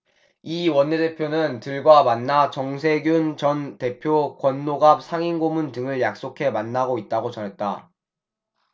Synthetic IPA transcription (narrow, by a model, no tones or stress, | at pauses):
iwʌnːe̞de̞pʰjonɯntɯɭɡwamanːat͡ɕʌŋsʰe̞ɡjunt͡ɕʌnte̞pʰjokwʌnːoɡap̚sʰaŋinɡomundɯŋɯɭjak̚s͈okʰe̞manːaɡoit̚t͈aɡot͡ɕʌnɦe̞t̚t͈a̰